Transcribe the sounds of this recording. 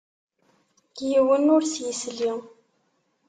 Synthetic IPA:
jiwənʊɾsjəsli

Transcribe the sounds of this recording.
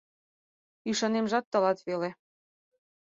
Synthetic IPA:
yʃɑnemʒɑt̪ːɤ̆lɑt̪βele

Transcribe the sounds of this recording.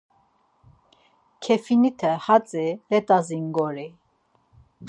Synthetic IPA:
kʰɛfinit̪ʰɛhat͡sʼilɛt̪ʼaziŋɡɔɾi

